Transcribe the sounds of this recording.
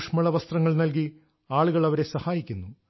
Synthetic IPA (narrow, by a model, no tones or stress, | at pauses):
ʂmɐɭɐʋɐst̪rɐŋːɐɭnɐlk̬i | aːɭuɣɐɭɐʋɐɾe̞sɐhaːjikʲːunːu